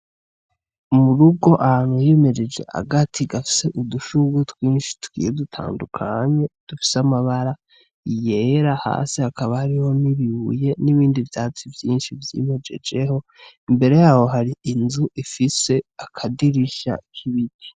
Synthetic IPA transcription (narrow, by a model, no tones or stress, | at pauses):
muɾuɡo̞ʔahaːn̥hujeme̞d͡ʒe̞d͡ʒe̞̰a̰ɡatʰiɡafi̥se̞ʔuduʃuɡutwiːnʃi̥twḭːjedutʰa̰ːndukʰa̰ɲe̞d̥ufi̥samaβaɾa | ijeɾaha̰ːsihakaβahaɾiho̞niβiβuje̞niβiːndivjaːt͡sivjiːnʃivjḭme̞d͡ʒe̞̰d͡ʒe̞ho̞ | imbe̞ɾe̞jaːho̞ɦaɾiinzuʔifise̞akʰadiɾiʃa̰kʰiβidi